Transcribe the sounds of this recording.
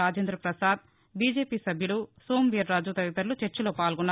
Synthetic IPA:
aːd͡ʒɐnd̪ɾɐpɾɐsaːd̪ | biːd͡ʒeːpiːsɐbʱjulusoːmʋiɐɾːaːd͡ʒut̪ɐʋit̪ɐɾlut͡ʃeɾt͡ʃɐloːpaːlɡɔnːa

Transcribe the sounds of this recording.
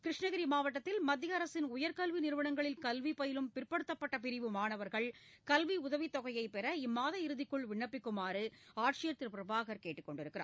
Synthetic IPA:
kɾɪʂɳɐɣɐɾimaːʋɐʈːɐt̪ːɪlmɐd̪ːɪjɐɐɾɐsɪnʊjɐɾkɐlʋinɪɾɯʋɐɳɐŋɡɐɭɪlkɐlʋipɔjɪlɯmpɪrpɐɽɯt̪ːɐpːɐʈːɐpɪɾɪʋɯmaːɳɐʋɐɾɣɐɭkɐlʋiʊðɐʋit̪ːɔɣɐjɐɪpɛɾɐɪmːaːðɐɪɾɯðɪkːɯɭʋɪɳːɐpːɪkːʊmaːɾɯaːʈʂɪjɐɾt̪ːɪɾpɪɾɐbaːɣɐɾkeːʈːɯkːɔɳɖɪɾɯkːɪɾa̰ː

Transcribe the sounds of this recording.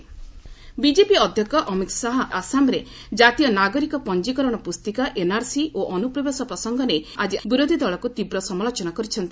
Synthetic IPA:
bid͡ʒepiɔd̪ʱjɔkɔʔɔmit̪saɦɔasamɾe | d͡ʒat̪ijɔnaɡɔɾikɔpɔnd͡ʒikɔɾɔɽ̃ɔpust̪ikaʔenaɾsiʔoʔɔnupɾɔbesɔpɾɔsɔŋɡɔnead͡ʒibiɾod̪ʱid̪ɔɭɔkut̪ibɾɔsɔmalot͡ʃɔnakɔɾit͡ʃʰɔnt̪i

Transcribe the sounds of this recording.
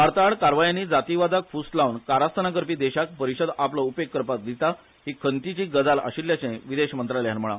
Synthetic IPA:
aɾt̪aɭkaɾʋajanːiːd͡zat̪iʋad͡zakfust̪launkaɾast̪ʰənak̬əɾpiːd̪eɕak̚pəɾiɕəd̪apləupekːəɾpat̪̚d̪it̪a | ɦiːkʰənt̪it͡ɕiːɡəd͡zala̰ɕiɾljat͡ɕẽʋid̪eɕmənt̪ɾaljanm̤əɭa̰

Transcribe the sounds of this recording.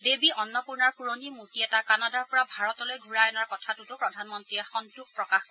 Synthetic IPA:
debiʔɔnːɔpuɹnaɹpuɹonimutiɛtakanadaɹpɔɹabʱaɹɔtɔlojɡʱuɹajɔnaɹkɔtʰatutʊpɹɔdʱanmɔntɹiɛxɔntuk̚pɹɔkax

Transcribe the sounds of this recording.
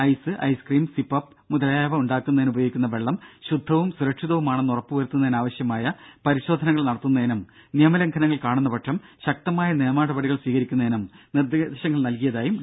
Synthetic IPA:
ɐjsɨʔɐ̰jskriːmsipːɐpː | mud̪ɐlɐjaːʋɐuɳɖaːkːunːɐðinubɐjo̞ːɡikʲːunːɐʋe̞ɭːɐmɕud̪ʱːɐʋumsuɾɐkʂiðɐʋumaːɳɨnurɐpːuʋɐɾut̪ːunːɐðinaːʋɐɕjɐmaːjɐpɐɾiɕo̞ːd̪ʱɐnɐŋːɐɭnɐɽɐt̪ːunːɐenɐm | nijɐmɐlɐŋkʰɐnɐŋːɐɭkaːɳunːɐpɐʈʂɐmɕɐk̚t̪ɐmaːjɐneːmaːɽɐbɐɽiɣɐɭsʋiːɣɐɾikʲːunːɐenɐmnird̪iɕɐŋːɐɭnɐlkijɐðaːjum

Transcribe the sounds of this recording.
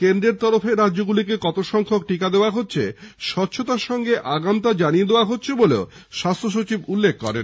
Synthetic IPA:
kend̪ɾeɾt̪ɔɾofeɾadːd͡ʑoɡulikekɔt̪oʃɔŋkʰokʈikad̪eoaɦotːɕʰeʃɔtːɕʰot̪aɾʃɔŋɡeʔaɡamt̪ad͡ʑanijed̪ewaɦotːɕʰeboleo | ʃast̪ʰɾoʃ̬ot͡ɕibulːek̚ʰːɔ̰ɾḛn

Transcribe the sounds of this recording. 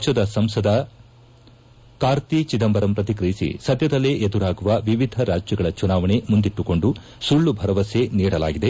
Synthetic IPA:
t͡ʃɐd̪ɐsɐmsɐd̪ɐ | kaːɾt̪it͡ʃid̪ɐmbɐɾɐmpɾɐt̪̬ikɾɐjisḭsɐd̪jɐd̪ɐlːeʔed̪uɾaːɡuʋɐʋiʋid̪ʱɐɾaːd͡ʒjɐɡɐɭɐt͡ʃunaːʋɐɳe̞mund̪iʈːuko̞ɳɖu | suɭːubʱɐɾɐʋɐseniːɽɐla̰ːɡid̪e̞

